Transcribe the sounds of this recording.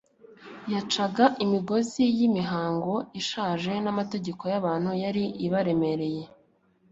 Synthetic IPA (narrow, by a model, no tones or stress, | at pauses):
jat͡ʃaɡaʔimiɡo̞zijimiɦaːŋɡo̞iʃaːʒe̞namate̞ɟe̞ko̞jaβaːn̥hujaɾiʔiβaɾe̞me̞ɾe̞je̞